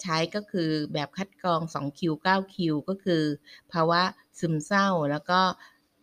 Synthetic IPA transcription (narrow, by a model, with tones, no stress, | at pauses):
t͡ɕʰa˦˥jkɔː˥˩kʰɯː˧bɛː˨˩p̚kʰa˦˥t̪̚kɔː˧ŋsɔ̰ː˩˦ŋkʰi˧wkaː˥˩wkʰi˧wkɔː˥˩kʰɯː˧pʰaː˧wa˦˥ | sɯ˨˩˦msa˥˩wlɛː˦˥wkɔː˥˩